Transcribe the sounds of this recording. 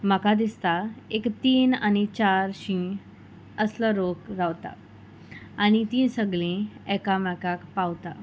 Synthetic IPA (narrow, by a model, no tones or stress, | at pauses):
m̤əkad̪ist̪aekt̪iːnanit͡ɕaɾɕĩ | əsləɾokɾaʋt̪a̰ | añit̪ĩsəɡlĩɛkamɛkakpawt̪a